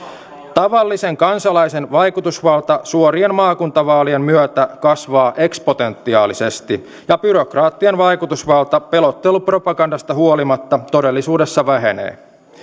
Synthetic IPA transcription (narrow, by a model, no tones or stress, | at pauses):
t̪ɑʋɑlːise̞ŋkɑnsɑlɑjse̞nʋɑjkut̪usʋɑlt̪ɑsuoɾie̞nmɑːkunt̪ɑʋɑːlie̞mmyøt̪ækɑsʋɑːʔe̞kspo̞t̪e̞nt̪ːiɑ̰ːlise̞st̪i | jɑbyɾo̞krɑːt̪ːienʋɑjkut̪usʋɑlt̪ɑpe̞lo̞t̪ːe̞lupro̞pɑɡɑndɑst̪ɑhuolimɑt̪ːɑt̪o̞delːisuːde̞sːɑʋæɦe̞nḛː